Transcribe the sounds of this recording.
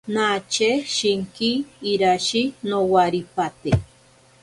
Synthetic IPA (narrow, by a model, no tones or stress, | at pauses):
nat͡ʃeʃiŋkiːɾaʃinowaɾipat̪e